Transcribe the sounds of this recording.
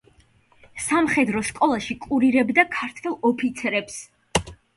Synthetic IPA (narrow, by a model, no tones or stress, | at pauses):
samχɛd̪ɾɔskʼɔlˠaʃikʼuɾiɾɛbd̪akʰaɾt̪ʰwɛlˠɔpʰit̪sʰɛɾɛps